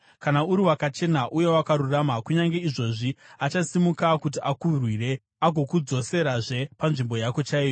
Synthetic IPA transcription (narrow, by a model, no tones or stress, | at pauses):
kanauɾiwakat͡ʃe̞naʔuje̞wakaɾuramakuɲaŋɡe̞iʐo̞ʐiat͡ʃasimukakut̬iʔakurwire̞ | aɡʱo̞kud͡zo̞se̞ɾaʐe̞panʐimbo̞jako̞t͡ʃaiːjo